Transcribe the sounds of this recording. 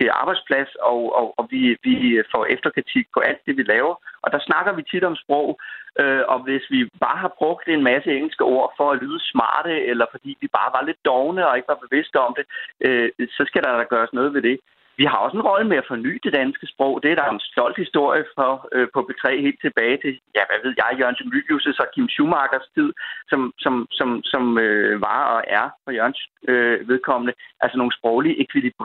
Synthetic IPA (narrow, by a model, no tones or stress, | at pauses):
ʔɑ̈ːb̥ɑ̈ɪd̥spʰlæsɒɒɒʋiʋifɒ̰ʔefd̥ɐkʰʁit͡sʰiɡ̥̚pʰɒ̽ʔæl̰d̥ːe̝ʋilɛːʊɐʔɒ̽d̥ɑ̈snɑ̈ɡ̥ɐʋit͡sʰid̥ɒ̽msb̥ʁɔʊ̰ʔøɒ̽ʋe̝sʋib̥ɑ̈ːɦɑ̈b̥ʁɔ̽ɡ̥̚d̥e̝nmæsəeŋ̰l̩sɡ̥əʔo̝ɐ̰fɒ̽ælyːð̞ˠəsmɑ̰̈ːd̥əelɐfɒ̽d̥ḭːʋib̥ɑ̈ːʋɑ̈le̝d̥ːɒʊnəɒ̽e̝ɡ̥əʋɑ̈b̥e̝ʋe̝sd̥əɒ̽md̥e̝ʔøsɒ̽sɡ̥æɾ̥ɑ̈æɡ̥ɶːɐsnɔ̽ːð̞̩ˠʋe̝d̥e̝ | ʋihɑ̈ɒ̽senʁɒ̽ləmeæfɒ̽ny̰ːd̥e̝d̥ænsɡ̥əsb̥ʁɔʊ̰d̥e̝æɐd̥ɑ̈e̝nsd̥ɒ̽l̰d̥hisd̥o̝ɐ̰jəfɒ̽øpʰɒ̽b̥e̝t͡sʰʁɛ̰ːhe̝̰ːld̥t͡sʰe̝b̥ɛːɪt͡sʰe̝jæʋæʋe̝ð̞ˠjɑ̈ɪjoɐænsommyb̥jusəsɒ̽kʰimɕumɑ̈ːɡ̥ɐst͡sʰið̞̰ˠsɒ̽msɒ̽msɒ̽msɒ̽møʋɑ̈ɒ̽ʔæɐfɒ̽jøɐnøʋe̝ð̞ˠkʰɒ̽m̰ənəʔælsəno̝ːn̩sb̥ʁɒʊliʔe̝kʰʋilib̥ʁ